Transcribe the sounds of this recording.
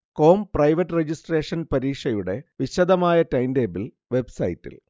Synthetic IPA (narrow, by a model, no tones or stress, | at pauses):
ko̞ːmprɐjʋɐtːred͡ʑisʈre̞ːʂɐnpɐɾiːkʂɐjuɽe̞̰ʋiɕɐd̪ɐmaːjɐtɐjndeːbil | ʋe̞bsɐjitːḭl